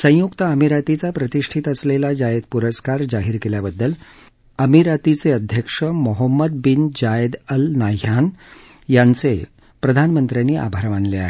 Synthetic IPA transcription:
sə̃jukt̪aəmiɾat̪it͡sapɾət̪iʂʈʰit̪əslelad͡ʑajed̪̚puɾəskaɾd͡zaɦiːɾkeljabəd̪ːəl | əmiɾat̪it͡seəd̪ʱjəkʂəmoɦəmːəd̪̚bind͡ʑajd̪əlnaɦan | jant͡se | pɾəd̪ʱanmənt̪ɾjanːiːʔa̰bʱaɾʋanlea̰ɦe

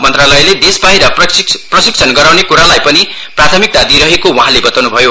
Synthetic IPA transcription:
mʌnt̪ralʌjled̪esbajɾʌprʌsik̚sʰʌnɡʌɾawnekuɾalajpʌni | prat̪ʰʌmik̚t̪ad̪iɾʌɦekowãɦãlebʌt̪awnubʱʌjo

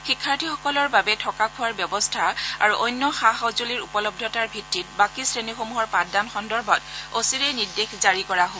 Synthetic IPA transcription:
xikʰːaɹtʰixɔkɔlɔɹbabɛtʰɔkakʰuaɹbjɔbɔstʰaa̰ɹuʔɔjnːɔxaɦɔzoliɹupɔlɔb̚dʱɔtaɹbʱitːit̚bakisɹenixomuɦɔɹpatdanxɔndɔɹbʱɔtosiɹɛjniɹdexzaɹikɔɹaɦo

